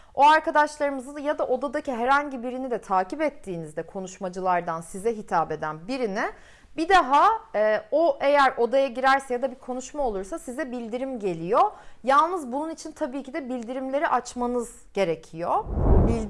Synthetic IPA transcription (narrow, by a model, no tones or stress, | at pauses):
oaɾkad̪aʃlˠaɾɯmɯzɯnjad̪aʔo̞d̪ad̪aciɦɛɾaɲɟibiɾinid̪ɛt̪ʰaːcipɛt̪ʰːiːnizd̪ɛkʰo̞nuʃmad͡ʒɯlˠaɾd̪ansizɛɦit̪ʰaːbe̞d̪ænbiɾinɪ | bid̪aɦaɛːoʔejæɾo̞d̪ajaɟiɾæɾsɛjad̪abikʰo̞nuʃmao̞lˠuɾsasizɛbilʲd̪iɾimɟe̞lʲijojalˠnɯzbununit͡ʃʰint̪ʰabiːcʰid̪ɛbilʲd̪iɾimlʲe̞ɾiʔat͡ʃmanɯz | ɟ̥e̞ɾe̞cʰijobi